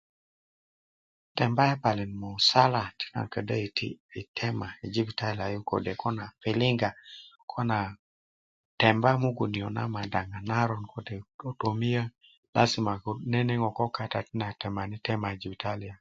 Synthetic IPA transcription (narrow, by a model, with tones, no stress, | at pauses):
tɛ˨mba˦ja˦pa˨lɪ˨nmɔ˨sa˦la˨ti̥˦na̰˨kə˨də˦˨ɪ˨tʰɛ˦ma˨i˨d͡ʒi˦bi˨ta˦la˨jo˦ko̰˨de˨kɔ˦na˨pɪ˨lɪ˦ŋɡa˨kʰɔ˦na˨ | tɛ˨mba˦mo˦ɡo˨ni˨ɔ˨na̰˦ma˨da˨ŋa˨na˦ɾɔ˨nko˨de˨o˨to˨mi˦jə˦ | la̰˦sɪ˦ma˨ne˦ne˦ŋɔ˨kɔ˦ka˦ta˨tɪ˦na˨tɛ˨ma˨nɪ˦tɛ˦ma˨i˨d͡ʒi˨bi˨tʰa˦lɪ˨a˨